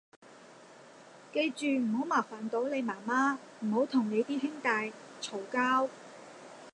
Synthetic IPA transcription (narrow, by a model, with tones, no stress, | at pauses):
ke˧jt͡ʃyː˨m̩˨˩ho˨˥wmaː˨˩faː˨˩nt̪o˨˥wne˨˧jmaː˨˩maː˥ | m̩˨˩ho˨˥wt̪ʰʊ˨˩ŋne˨˧jt̪iː˥ɦɪ˥ŋt̪aː˧j | t͡sʰo˨˩wkaː˥w